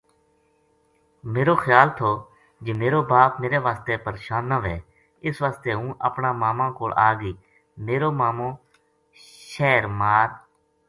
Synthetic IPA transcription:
meːɾoːxʰjaːlt̪ʰoː | d͡ʒeːmeːɾoːbaːpmeːɾeːʋaːst̪eːpəɾeːʃaːnːəʋeː | ɪsʋaːst̪eːɦũːʔə̰pɳãːmaːmãːkoːlʔaːɡiː | meːɾoːmaːmõː | ʃɛːɾmaːɾ

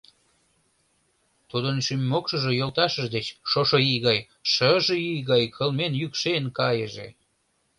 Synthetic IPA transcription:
t̪ud̪ənʃymːokʃə̆ʒe̽jolt̪ɑʃəʒd̪et͡ɕʃoʃoiɣɑj | ʃəʒəijɣɑjkʰəlmenjykʃenkɑjəʒḛ

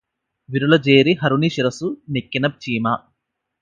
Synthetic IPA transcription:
ʋiɾulɐd͡ʒeːɾiɦɐɾuniʃiɾɐsunekːinɐb̚t͡ʃiːmaː

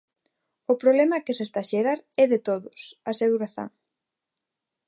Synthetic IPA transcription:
ʊpɾoβlɛmɐkesest̪aʃeɾaɾɛðet̪oðʊsaseɣuɾaθo̰ŋ

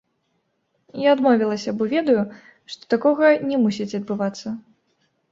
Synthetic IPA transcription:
jaːd̪mɔvʲilˠɐsʲɐbɔvʲɛd̪ɐju | ʂt̪ɔ̥t̪akɔɣɐnʲɛmusʲit͡sʲɐd̪̚bɨvat̪sːɐ

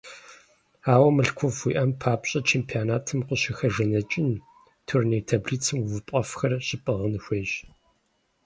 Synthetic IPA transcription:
aːwɐmɨɬkʷʰɔfiːʔɐmpʰaːpɕʼɐt͡ʃʰeːmpʰianaːtʰɨmqʷʊɕɪxɐʒɐnɐt͡ʃʼɪn | tʰʊrneːtʰɐbɮit͡sʰɨmwvɨpʼɐfxɐrɕɪpʼɨʁənɨxʷeːɕ

